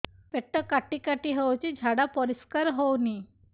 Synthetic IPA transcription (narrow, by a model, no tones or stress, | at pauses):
peʈːəkaʈikaʈiɦewt͡ʃid͡ʒʱaɽapɔɾiskaɾɦowni